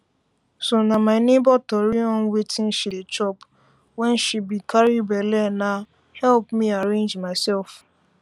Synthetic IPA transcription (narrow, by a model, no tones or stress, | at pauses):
sonamaɪnebɔtɔɾiɔ̃n̩wetʰĩn̩ʃidet͡ʃɔp | wɛ̃nʃibikʰaɾibɛlɛna | hɛlpmiaɾẽnd͡ʒmaɪsɛlf